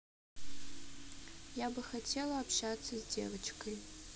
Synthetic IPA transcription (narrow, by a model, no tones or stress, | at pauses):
jabɐxatʰelaːpʃat͡sʰɐzdḛvɨt͡ʃʰkʰɨj